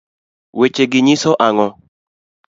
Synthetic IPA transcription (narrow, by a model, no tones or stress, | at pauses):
wet͡ʃeɡɪɲɪsɔʔaŋɔ